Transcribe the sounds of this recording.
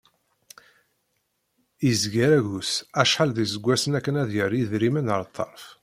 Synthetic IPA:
izɡæɾæʝusæʃħəlðizəɡʷːæsənækːənæðjəɾˤjiðɾimənəɾˤt̪ˤːɑ̰ɾˤf

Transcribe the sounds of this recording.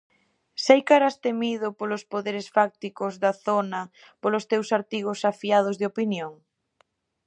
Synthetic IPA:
sajkaɾast̪emiðʊpolospoðeɾɪsfak̚t̪ikʊzðɐθonɐ | polost̪ewsaɾt̪iɣ̞osafiað̞ʊzðɪopinjoŋ

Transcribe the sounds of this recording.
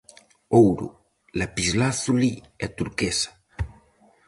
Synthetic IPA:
owɾṵ | lapizlaθuli | ɛt̪uɾkesḁ

